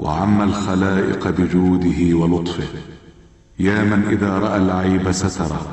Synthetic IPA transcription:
wʔa̰ʕamːalxalaːʔɪ̰qbɪd͡ʒuːd̪ɪhɪwɑlʊt̪ˤfɪh | jaːmanʔɪðaːɾˤɑʔalʕajbasat̪ɑɾˤɑ̰

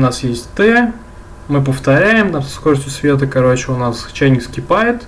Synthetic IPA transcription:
nasjesʲtʲt̪ɛ | mɨpəft̪ɐɾʲæjɪmt̪amsskoɾəsʲtʲjʊsvʲe̞t̪̬əkɐɾot͡ɕɪʊnast͡ɕæjnʲɪkskʲɪpajɪt̪

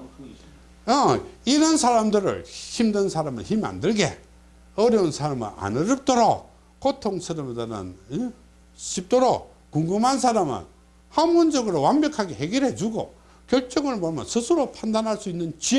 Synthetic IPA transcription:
ʌiɾʌnsʰaɾamdɯɾɯ̰ɭçimdɯnsʰaɾamɯ̰nçima̰ndɯɭɡḛ | ʌɾjʌunsʰaɾamɯ̰ɾa̰nɯɾɯp̚t͈oɾok̚ | k͈otʰoŋsʰɯɾʌmdanɯ̰n | ɕʰip̚t͈oɾok̚ | koŋɡɯmɦansʰaɾamɯ̰n | hamond͡ʑʌɡɯɾowanbjʌkʰaɡeheɡʌɾɦed͡ʑuɡo̰ | kjʌɭt͡ɕ͈ʌŋɯɭmoɭmʌnsʰɯsʰɯɾopʰandanɦaɭs͈uinːɯnt͡ɕi

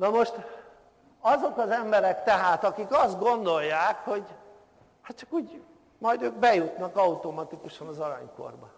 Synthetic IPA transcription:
nɒmo̞ʃt̪ | ɒzo̞kɒzɛmbɛɾɛkt̪ɛɦaːt̪ɒkikɒzd̪̚ɡo̞nd̪o̞jːaːkho̞ɟ | hat̪t͡ʃɒkuːɟ | mɒjd̪øːk̚bɛjut̪nɒkɒut̪o̞mɒt̪ikuʃɒnɒzɒɾa̰ːɲko̰rbɒ

